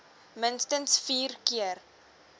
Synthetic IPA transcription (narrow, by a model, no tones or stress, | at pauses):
mənstənsfiːrkiər